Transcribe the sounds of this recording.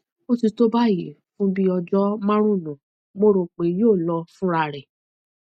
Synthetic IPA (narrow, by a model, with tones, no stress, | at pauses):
mo˦ti˧to˦ba˦˨jḛ˨fũ˦bi˦ɔ˧d͡ʒɔ˦mã˦ɾ̃ũ˦˨nũ˨ | mo˦ɾo˧˨k͡pe˨joː˦˨lɔ˧˦fũ˦ɾa˧˨ɾɛ˨